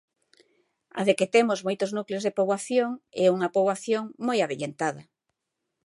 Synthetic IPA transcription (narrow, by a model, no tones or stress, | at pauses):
a̰ðeket̪emozmojt̪oznukleozð̞epoβwaθjoŋɛuŋapoβwaθjoŋmojaβeʎent̪aða